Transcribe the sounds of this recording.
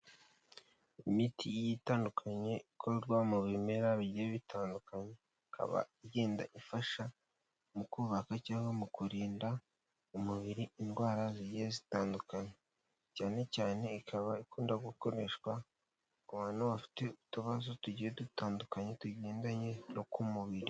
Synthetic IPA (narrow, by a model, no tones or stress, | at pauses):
imitʰijitaːndukʰaɲe̞ikʰoɾɡwamuβime̞ɾaβiɟieβitʰaːndukaɲe̞ | ikʰa̰βa̰ije̞ːnda̰ʔifaʃa | mukuːβakacaːŋbamukuɾiːnda | umuβiɾiindɡwaːɾaziɟiezitaːndukaɲe | caːne̞caːne̞ikʰaβaikuːndaɡuko̞ɾe̞ʃkwa | kuβaːnowafi̥te̞utuβazotuɟijedutaːndukaɲe̞tuɟeːndaɲe̞nokumuβiɾi